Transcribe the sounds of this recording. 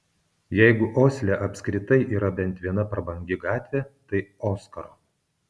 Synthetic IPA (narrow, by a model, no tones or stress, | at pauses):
jɛɪɡʊʔoːsʲlʲɛʔɐpʲsʲkɾʲɪt̪ɐɪʔiːɾɐbʲɛnʲˑt̪ʋʲiɛnɐpɾɐbɐŋʲɡʲɪɡɑːt̪ʲʋʲet̪ɐɪoːskɐɾoː